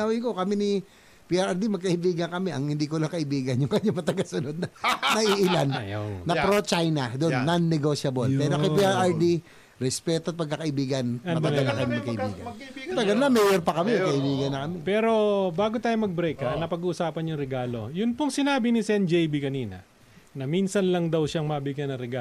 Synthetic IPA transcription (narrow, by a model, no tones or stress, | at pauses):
awijko̞kɐmini | piːʔaɾʔɐɹd̪imɐɡ̚kɐʔɪbiːɡɐŋkɐmɛʔɐŋhɪnd̪iːkolaŋkɐʔɪbiːɡɐnjʊŋkɐɲamɐt̪ɐɡasʊnod̪̚nɐnɐʔiʔɪlanːɐpɾot͡ʃajnɐd̪onːɐnːɛɡoʃɐbolpɛːɾokɛpiaɹʔɐɹd̪i | ɾɛspɛːt̪oɐt̪̚pɐɡ̚kːɐkɐʔɪbiːɡɐnɐd̪ɐɐlakɐnnɐkɐʔɪbḭːɡɐ̰mɐt̪ɐɡanlamɛjɛɾpɐkɐmɛkɐʔɪbiːɡɐnːɐkɐmɛpɛːɾo̞baːɡot̪aːjomɐɡ̚bɾɛkɐnɐpɐɡuʔʊsaːpɐnjʊŋɾɛɡaːlo̞jʊnpoŋsɪnaːbinɪsɛnd͡ʒɛjbikɐniːnɐ̰ | nɐminsɐnlɐŋd̪ɐwʃaŋmɐbɪɡjanɐŋɾɛɡa